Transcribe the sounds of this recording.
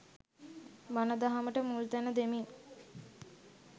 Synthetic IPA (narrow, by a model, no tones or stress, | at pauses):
manəd̪aɦaməʈəmult̪ænəd̪emiŋ